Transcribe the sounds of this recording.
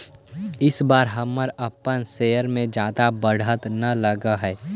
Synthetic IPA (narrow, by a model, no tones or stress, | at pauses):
ɪsbaːɾɦəmːəɾəpːənsejəɾmẽd͡ʒaːd̪abəɽ̤ət̪nɐləɡəɦɛː